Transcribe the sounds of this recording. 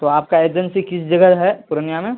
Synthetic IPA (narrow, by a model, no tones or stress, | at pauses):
t̪oaːp̚kaeːd͡ʒə̃nsikɪsd͡ʒɐɡəɦɛpʊɾnijamẽ